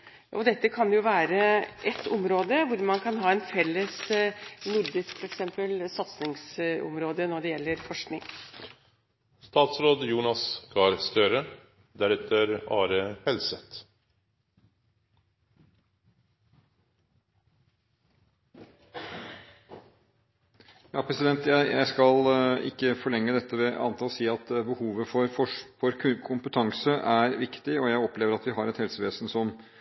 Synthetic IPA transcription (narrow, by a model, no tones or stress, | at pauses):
ʔɔd̪ɛt̪ːəkʰɑnjʊʋæːɾəʔɛt̪ʰːʊmɾoːd̪əʋʊɾmɑnkʰɑnɦɑːɛnfɛlːəs | nʊɾd̪ɪskfɔɾɛksɛmpəlsɑt̪snɪŋsɔ̰mɾoːd̪ənɔɖɛjɛlːəɾfɔʂknɪ̰ŋ | st̪ɑːt̪sɾoːd̪juːnɑsɡ̥ʰɑːɾst̪œɾə | d̪æɾɛt̪əɾɑːɾəhɛlsət̪ | jɑːpʰɾɛsɪd̪ɛnt̪jæɪjæɪskɑlɪ̰kːəfɔɭɛŋːəd̪ɛt̪ːəʋɛʔɑ̰nt̪ʰɑːlsiːɑt̪bəhuːʋəfɔɾfɔfɔɾkʰkʰʊmpət̪ʰɑŋsəʔæɾʋɪkt̪ɪɔjæɪɔpleːʋəɾɑt̪ʋɪɦɑɾɛt̪hɛlsəʋeːsnsɔm